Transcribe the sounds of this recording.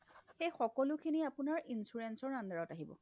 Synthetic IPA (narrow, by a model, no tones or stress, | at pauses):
xejxɔkɔlʊkʰiniapunaɹinsuɹensɔɹːandaɹɔtaɦibɔ̰